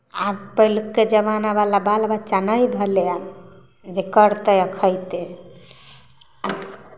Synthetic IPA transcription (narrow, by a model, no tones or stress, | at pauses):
apəɦilukːed͡ʒəβanabalabalbat͡ʃanəjbʱəlea | d͡ʒekəɾt̪əjəkʰəjt̪e | a